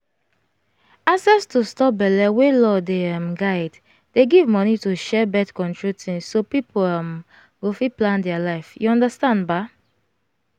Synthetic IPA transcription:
aksɛstustɔp̚bɛlɛwelɔdeamɡaɪd | d̥eɡivmɔnituʃɛbɛtkɔ̃ntɹutʰĩŋsːopipʰoam | ɡofiplãndɛalaɪfjuɔ̃ndəstãndba

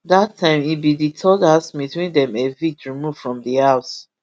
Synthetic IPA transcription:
datʰːãɪ̃mibiditʰɔdasbitwĩndɛ̃mevitɹimuv̥fɹɔ̃mdihaʊs

